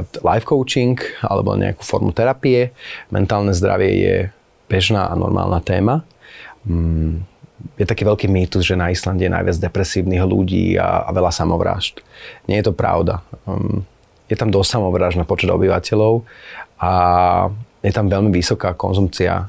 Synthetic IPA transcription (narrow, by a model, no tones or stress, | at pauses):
t̪la̰jfkɔʊt͡ʃiŋka̰lɛ̰bɔa̰ɲɛ̰a̰ku̥fɔɾmut̪ɛɾapiɛmɛ̰nt̪aːlˠnɛzd̪ɾa̰ʋɪɛ̰jɛ̰ | b̥ɛʒnaːʔanɔ̰ɾmʔa̰ːlˠnat̪ɛːma | jɛt̪akiːʋɛʎkiːmiːt̪uzʒɛnaislanɟɛjɛna̰jʋɪad͡zd̪ɛpɾɛsiːʊniɣlṵɟḭːa̰ːʋɛlasamɔʋɾa̰ːʃt̪ɲɛjɛt̪ɔpɾa̰ʊd̪a | jɛt̪amd̪ɔssamɔʋɾaːʒnapɔt͡ʃɛd̪ɔ̰biʋacɛlɔʊa | jɛt̪amʋɛʎmiʋisɔkaːkɔnzumt͡sia̰